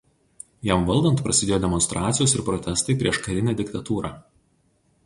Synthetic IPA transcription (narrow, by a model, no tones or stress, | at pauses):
jɛmʋɐlˠd̪ɐnt̪pɾɐsʲɪd̪ʲeːjoːd̪ʲɛmɔnst̪ɾʔɑːt̪sʲɪjoːsɪɾpɾɔt̪ʲɛst̪ɐɪpʲɾʲiɛʃkɐɾʲɪnʲæːd̪ʲɪkt̪ɐt̪uːɾɑː